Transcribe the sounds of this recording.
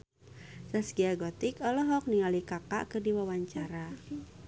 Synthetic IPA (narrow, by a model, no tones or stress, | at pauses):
sasɡiaɡɔt̪ikɔlɔɦɔk̚niŋalikaka̰ʔkɨrdiwawaɲt͡ʃaɾa